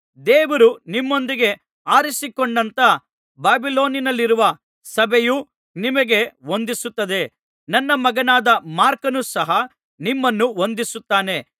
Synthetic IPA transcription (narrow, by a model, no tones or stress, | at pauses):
d̪eːʋɐɾunimːo̞nd̪iɡe̞ | aːɾisikoɳɖɐnt̪ɐ | baːbilo̞ːninɐlːiɾuʋɐ | sɐbʱejuː | nimɐɡe̞o̞nd̪isut̪ːɐd̪e̞ | nɐnːɐmɐɡɐnaːd̪ɐmaːɾkɐnusɐɦɐ | nimːɐnːuo̞nd̪isut̪ːaːne̞